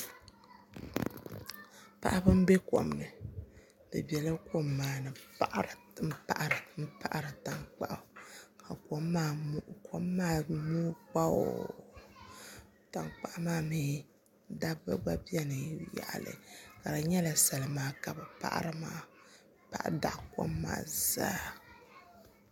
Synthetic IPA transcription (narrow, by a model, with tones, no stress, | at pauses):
pa̰˨ʔa˦bɨ˦m̩˦be˦ko̰˨m˨nɨ˨ | bɨ̰˨bi˨ɛ˨lɨ˦ko˦mːaː˨nɨ˨pa˨ʔa˦ɾɨ˨ | m̩˦pa̰˦ʔa˨ɾɨ˨m̩˦pa̰˦ʔa˨ɾɨ˨ta˨ŋk͡pa̰˦˨ʔa˨ka˨ko˨˦mːaː˦˨ko˦mːaː˦mo˦k͡pa˦o̰˨ | ta˨ŋk͡pa˨ʔmaː˦mi˦ | da˦bɨ̰˦ɡ͡ba˦bi˦ɛ˦nɨ˨ja̰˨ʔa̰˨lɨ̰˨ka˨ɾa˨ɲɛ˦la˨sa˨lɨ˨maː˦ka˨bɨ˨pa̰˦˨ʔa̰˦ɾɨ˦maː˦ | pa˨ʔda˨ʔko̰˦mːa̰ː˨zaː˦